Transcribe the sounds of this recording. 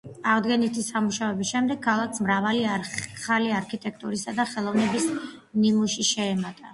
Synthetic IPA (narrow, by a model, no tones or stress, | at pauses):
aʁd̪ɡɛnit̪ʰisamuʃavɛbisʃɛmd̪ɛɡ̥̚kʰːalˠakʰsmɾavaliaχaliaɾkʰit̪ʼɛk̚ʰt̪ʼuɾisad̪aχɛlˠɔvnɛbis | nimuʃiʃɛːmat̪ʼa